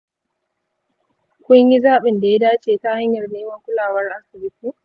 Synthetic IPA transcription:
kʷʊ˦ɲji˦zaː˦ɓɪ˨nda˨ja˦daː˦t͡ʃeː˨ta˦ha˦ɲjɐ˨rneː˦mɐ˦ŋkʷʊ˦laː˨wɐ˦rʔa˦sɪ˨bɪ˦tiː˦

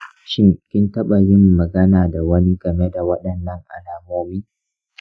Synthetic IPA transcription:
ʃɪ˦ŋkʲɪ˦ntɐ˦ɓa˨zɪ˦mːɐ˨ɡɐ˦naː˨da˨wɐ˦ni˦ɡɐ˨me˦da˨wɐ˦ɗɐ˨nːɐ˦ŋʔa̰˨laː˨moː˦miː˦

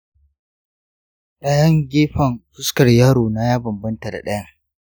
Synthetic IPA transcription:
ɗa˦jɐ˦ŋɡʲeː˦ɸɐ˨nɸʊ˦skɐ˨rjaː˦ɽoː˨na˦jaː˦bɐ˨mbɐ˦nta˨da̰˨ɗɐ˦ja˦

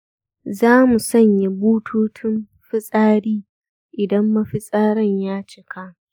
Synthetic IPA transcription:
zaː˦mu˨sɔ˦˨ɲja˨buː˦tʰuː˦tʰɪ˦m | ɸɪ˦sʼaː˦ɽiː˦ | ʔɪ˨dɐ˦mːɐ˦ɸɪ˦sʼaː˦ɾɐ˦ɲjaː˦t͡ʃɪ˦˨kʰa˦

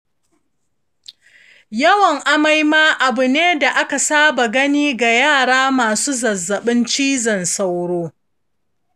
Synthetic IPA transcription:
jɐ˦wɐ˨ŋʔa˦ma˦jmaː˦ʔa˨bʊ˨neː˦da˨ʔa˦ka˨saː˦ba˨ɡɐ˦niː˦ɡa˨jaː˦˨ɽaː˦maː˨suː˦zɐ˨zːɐ˨ɓɪ˦nt͡ʃiː˦zɐ˨nsa˨wɽoː˦

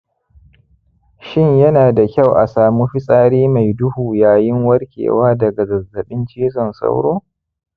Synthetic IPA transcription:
ʃɪ˦ɲjɐ˦naː˨da˨kʲa˦˨wʔa˨saː˨mu˦ɸɪ˦sʼaː˦ɽiː˦ma˨jdʊ˦huː˨jaː˨jɪ˦ŋwɐ˦rkʲḛː˨waː˦dɐ˨ɡa˨ɡɐ˨zɐ˨ɓɪ˦nt͡ʃiː˦s̬ɔ˨nsa̰˦wɽoː˦

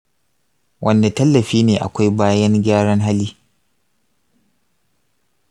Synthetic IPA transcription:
wʔɐ˦nda˨tɐ˦lːɐ˨ɸiː˦neː˨ʔa̰˨kʷa˦jbaː˦jɐ˦ŋɡʲaː˦ɽɐ˦ŋɦa˦liː˦

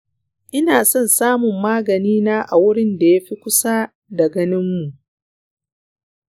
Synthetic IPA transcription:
ʔɪ˦naː˨sɔ˦˨nsaː˦mʊ˨mːaː˦ɡɐ˨niː˦naː˦ʔa˨wʊ˦ɽɪ˦nda˨ja˦ɸi˦kʷʊ˦sa˦ | da˨ɡɐ˦nɪ˦mːu˨ʔ

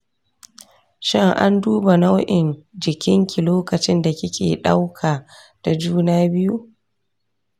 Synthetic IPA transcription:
ʃɪ˦ŋʔa̰˦nduː˦ba˨na˦wʔɪ˨nd͡ʒɪ˨kʲɪ˦ŋkʲi˨loː˦kɐ˨t͡ʃɪ˦nda˨kʲɪ˦kʲʰeː˨ɗa˦wkʰaː˨ | d̥a˨d͡ʒuː˦naː˦bɪ˦ju˦

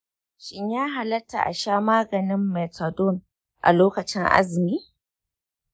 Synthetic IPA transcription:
ʃɪ˦ɲjaː˦ɦa˨lɐ˦tːa̰˨ʔa̰˨ʃaː˦maː˦ɡɐ˨nɪ˦mːɛ˨ta˨dɔ˦˨n | ʔa̰˨loː˦kɐ˨t͡ʃɪ˦ŋʔa̰˦zɪ˨miː˦

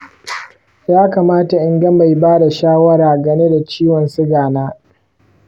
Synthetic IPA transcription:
jaː˦kaː˨maː˦ta˨ʔɪ˦ŋɡɐ˦mːa˨jbaː˦da˨ʃaː˦wɐ˦ɾaː˨ɡɐ˦ne˦da˨t͡ʃiː˦wɔ˨nsɪ˦ɡaː˨naː˦

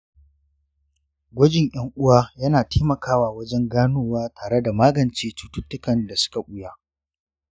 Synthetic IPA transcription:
ɡʷɐ˦d͡ʒɪ˨ɲʔɐ˦ŋʔʊ˦waː˦jɐ˦naː˨teː˦mɐ˨kaː˦waː˨wɐ˦d͡ʒɛ˦ŋɡaː˦nuː˦waː˦tʰaː˨ɽe˦da˨maː˦ɡɐ˨nt͡ʃeː˦tu˦tʊ˦tːʊ˦kɐ˨nda˨sʊ̥˦ka˨ʔʷʊ˦ja˦

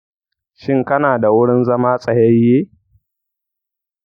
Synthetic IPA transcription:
ʃɪ˦ŋkɐ˦naː˨da˨wʊ˦ɽɪ˦nzɐ˦maː˦sʼɐ˨jɐ˦jːeː˦

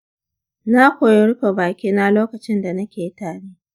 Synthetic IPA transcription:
na˦kʷoː˨jɪ˦ɽʊ˦ɸa˨baː˨kʲiː˦na˦loː˦kɐ˨t͡ʃɪ˦nda˨nɐ˦kʲeː˨˦taː˨ɽiː˦

